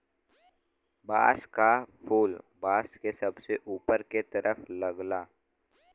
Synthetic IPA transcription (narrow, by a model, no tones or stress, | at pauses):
baːskapʰuːlbaːskesɐbseʔuːpəɾket̪ɐɾʔəflɐɡlaː